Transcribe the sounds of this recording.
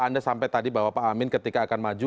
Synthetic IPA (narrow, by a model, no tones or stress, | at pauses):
andasampajt̪adibaɦwapaamɪnkət̪ikaːkanmad͡ʒu